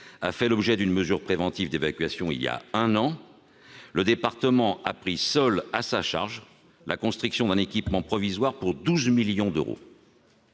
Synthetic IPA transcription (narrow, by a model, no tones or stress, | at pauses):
a̰fɛlɔbʒɛd̪ynməzyʁpχevɑ̃t̪ivd̪evakʲɥasjɔ̃ḭlja̰ɛ̃nɑ̃ | ləd̪epaʁt̪əmɑ̃a̰pχisɔlasaʃa̰ʁʒ | lakɔ̃st̪χyksjɔ̃d̪ɛ̃nekʲipmɑ̃pχɔvizwaʁpuʁd̪uzmiljɔ̃d̪ø̰ʁo̰